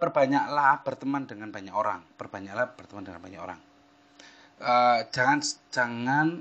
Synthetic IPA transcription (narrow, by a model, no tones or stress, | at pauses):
pərb̥aɲaʔlahb̥ərt̪əmandəŋanbaɲakoɾa̰ŋpərb̥aɲaʔlahb̥ərt̪əmandəŋa̰nbaɲako̰ɾa̰ŋ | ə̥d͡ʒ̥aŋand͡ʒ̥aŋan